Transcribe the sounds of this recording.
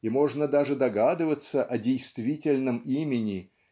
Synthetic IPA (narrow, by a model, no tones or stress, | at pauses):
imo̞ʐnəd̪aʐɨd̪ɐɡad̪ɨvət̪səʔɐdʲejst̪vʲitʲɪlʲnəmimʲɪnʲɪ